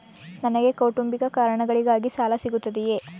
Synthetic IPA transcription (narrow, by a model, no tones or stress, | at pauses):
nɐnɐɡe̞kɐwʈumbikɐkaːɾɐɳɐɡɐɭiɡaːɡisaːlɐsiɡut̪ːɐd̪ije̞